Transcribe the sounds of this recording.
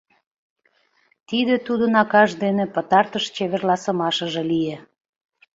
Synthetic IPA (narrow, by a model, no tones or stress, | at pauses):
t̪id̪et̪ud̪ənɑkɑʒd̪enepət̪ɑrt̪əʃt͡ɕeβerlɑsəmɑʃəʒĕlije